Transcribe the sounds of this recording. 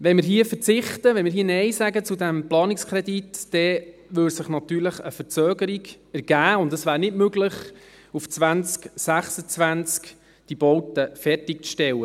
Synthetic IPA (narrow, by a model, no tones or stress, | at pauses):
ʋɛnmɪɾɦiəfəɾt͡sɪχtəʋɛnmɪɾɦiːnɛɪsæɡət͡sudæmplɑːnɪkskʰɾɛditːɛʋʏlsɪχnɑt̪yːɾləχəfəɾt͡søːɡəɾiɡ | æɾɡ̥æːʊndəsʋæːɾnɪdmøɡləχ | uft͡sʋænt͡sksæχsət͡sʋænt͡sk | d̥ib̥ɔwtəfɛrtɪk̚t͡sʃtɛlːə